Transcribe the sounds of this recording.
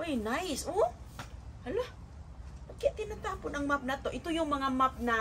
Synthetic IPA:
ʔojnajso | hɐloh | ʔokɛt̪ɪnat̪aːponɐŋmap̚nɐt̪o̞ʔɪt̪ojʊŋmɐŋamap̚nɐ

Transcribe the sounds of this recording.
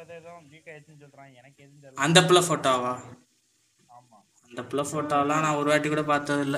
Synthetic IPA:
ɐnd̪ɐpːɪlɐfoːʈːoːʋaː | ɐnd̪ɐpːɪlɐfoːʈːoːlãːnãːɔɾɯʋaːʈːɯkːuːɽɐpaːɾt̪ɐðɪlːɐ

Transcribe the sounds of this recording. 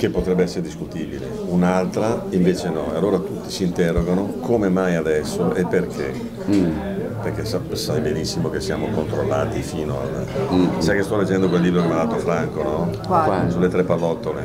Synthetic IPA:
kepːot̪ɾɛbːeɛsːeɾed̪iskut̪iːbilḛ | unalt̪ɾaiɱveːt͡ʃenɔealːoːɾat̪ut̪ːi̥siːnt̪ɛrːoɡanokʰomemajad̪ɛsːoepːerk̟ʰḛ | perk̟esasajbenisːimokesːia̰ːmokont̪ɾolːaːt̪ifiːnoa̰l | sajkest̪ɔled͡ʒːɛnd̪okwelːiːbɾod̪elmalaːt̪ːofɾaŋkonɔ | sulːet̪ɾɛpalːɔt̪ːole

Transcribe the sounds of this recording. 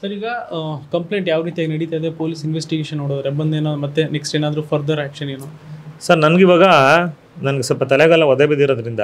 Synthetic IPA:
sɐɾiːɡɐkɐmpleːɳʈjaːʋɾiːt̪ijaːɡenɐɽit̪aːjd̪epoːlisinʋesʈiɡeːʃɐnːoːɽoːd̪ɐɾeɐbːɐnd̪eːnoːd̪mɐt̪ːeneksʈeːnaːd̪ɐɾupʰɐɾd̪ʱɐɾaːkʃɐneːnu | sɐɾnɐnɐɡiʋaːɡɐ | nɐnɐɡesɐlpɐt̪ɐlɛɡɐlːɐʋɔd̪ebid̪iɾoːd̪ɐɾind̪ɐ̰

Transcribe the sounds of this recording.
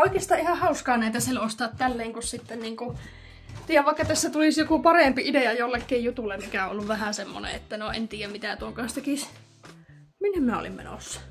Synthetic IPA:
oˑikeːst̪ɑːʔihɑhɑuskɑːnæˑit̪æsielost̪ɑːt̪t̪ælːeːŋkussit̪ːenniːŋku | t̪iːjæʋɑˑikːɑt̪æsːæt̪ulisjokupɑrempiideɑjolːekːeːjjut̪ulːemmikæõolːuʋʋæhæsemːo̰nḛet̪ːænoḛnt̪iːjæmit̪æt̪uoŋkɑnst̪ekis | minːemmnæo̰lḭmmḛno̰ˑsːɑ̥

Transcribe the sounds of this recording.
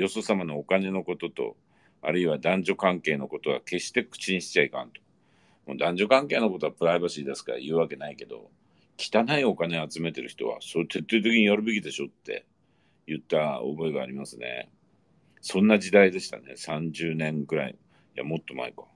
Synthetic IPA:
jo̞so̞samano̞okane̞no̞ko̞t̪o̞t̪o̞̰ | a̰ɾɯ̟iβad̪ãɲ̟d͡ʑo̞kãŋke̞ːno̞ko̞t̪o̞ɡake̞ɕi̥t̪e̞kɯ̟̥t͡ɕiɲ̟iɕi̥t͡ɕaikã̰nt̪o̞̥ | mo̞ːd̪ãɲ̟d͡ʑo̞kãŋke̞ːnoko̞t̪o̞apɯ̟ɾaibaɕiːd̪e̞sɨ̥kaɾa̰jɯ̟ːβake̞naike̞d̪o̞̰ | kʲi̥t̪anaio̞kane̞at͡sɨme̞t̪e̞ɾɯ̟çʲi̥t̪o̞̰βa̰sot̪ʰe̞t̪ːeːt̪̬e̞kʲiɲ̟ijoɾɯ̟be̞kʲid̪e̞ɕo̞t̪ːe̞̰ | jɯ̟t̪ːao̰bo̞eɡaːɾʲimasɨne̞̰ | sõ̞nːad͡ʑid̪aid̪e̞ɕi̥t̪a̰ne̞̰sãɲd͡ʑɨːnẽ̞ŋɡɯ̟ɾaḭ | ja̰mo̞t̪ːo̞ma̰ika

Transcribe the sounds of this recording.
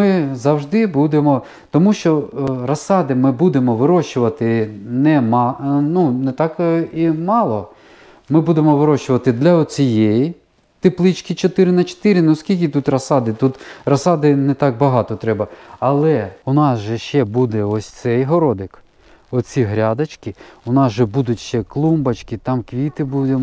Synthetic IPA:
ɪzɐwʒd̪ɪbud̪emɔ | t̪ɔmuʃt͡ʃɔrɐsɑd̪ɪmɪbud̪emɔʋɪɾɔʃt͡ʃʊʋɐt̪ɪnɛmɑnunɛt̪ɑkimɑlˠɔ | mɪbud̪emɔʋɪɾɔʃt͡ʃʊʋɐt̪ɪd̪lʲɐɔt͡sʲijɛji | t̪eplˠɪt͡ʃkɪt͡ʃɔt̪ɪɾɪnɐt͡ʃɔ̥t̪ɪɾɪnɛskʲilʲk̬ɪt̪ut̪rɐsɑd̪ɪt̪ut̪rɐsɑd̪ɪnɛt̪ɑk̚bɐɦɑt̪ɔt̪ɾɛbɐɐlˠɛʊnɑsʒɛʃt͡ʃɛbud̪ɛɔsʲt̪sɛjɦɔɾɔd̪ɪk | ɔt͡sʲiɦɾʲɑd̪ɐt͡ʃkɪʊnɑsʒɛbud̪ʊtʲʃt͡ʃɛklˠumbɐt͡ʃkɪt̪ɑmkʋʲit̪ɪbud̪em

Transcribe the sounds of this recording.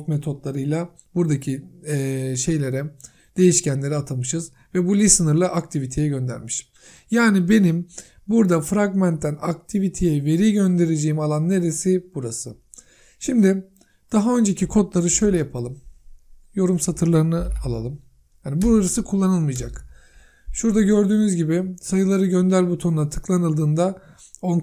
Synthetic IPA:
t̪met̪ʰo̞d̪lˠaɾɯjlˠa | buɾd̪acʰiː | ʃe̞jlʲe̞ɾɛ | d̪̥e̞jiʃcænlʲe̞ɾiat̪ʰamɯʃɯz | vɛbulʲisɯnɯɾlˠaʔakt̪ʰivit̪ʰe̞jɛɟø̞nd̪æ̰ɾmiʃ | jaːnibe̞nim | buɾd̪afɾaɡmænt̪ʰːænakt̪ʰivit̪ʰejɛve̞ɾiɟø̞nd̪e̞ɾed͡ʒejimalˠanːeɾesibuɾasɯ | ʃimd̪ɪ | d̪̥aɦaø̞nd͡ʒe̞cikʰo̞t̪lˠaɾɯʃø̞jlʲɛjapʰalˠɯm | jo̞ɾumsat̪ʰɯɾlˠaɾɯnɯalˠa̰lˠɯm | hanibuɾaɾasɯkʰulˠːanɯlˠmɯjd͡ʒak | ʃuɾd̪aɟø̞ɾd̪yːnyzɟibɪsajɯlˠaɾɯɟønd̪æɾbut̪ʰo̞nuat̪ʰɯ̥klˠanɯlˠd̪ɯːnd̪a | on

